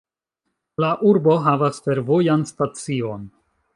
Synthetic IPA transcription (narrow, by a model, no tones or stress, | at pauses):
laʔuɾbo̞ɦavasfe̞ɾvo̞janstat͡sion